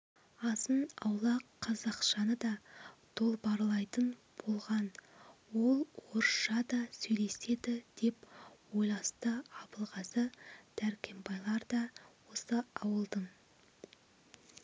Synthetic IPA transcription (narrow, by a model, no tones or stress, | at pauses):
ɑsənɑwlˠɑqʰːɑzɑqʃɑnəd̪ɑt̪ʰo̞lˠbɑɾlˠɑjt̪ənb̥o̞lˠʁɑnwo̞lˠwoɾʃɑd̪ɑsɵjle̞se̞d̪ɪd̪̥e̞pwo̞jlˠɑst̪əɑpəlˠʁɑsəd̪̥æɾkʲʰe̞mbɑjlˠɑɾd̪ɑwo̞səɑwəlˠd̪əm